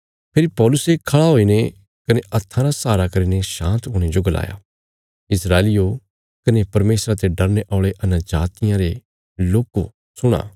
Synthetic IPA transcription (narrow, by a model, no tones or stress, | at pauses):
pʰeɾipɔːlʊsekʰɐɭaɦoːine | kɐneʔɐt̪ʰːãɾasaːɾakɐɾineʃãːnt̪ɦoːɽ̃ed͡ʒoɡɐla̰ːja̰ | ɪsɾaːlɪjo | kɐnepɐɾmeːsɾat̪eɖɐɾneʔɔːɭeʔɐnad͡ʒaːt̪ɪjãɾe | loːko | sʊɽ̃a̰ː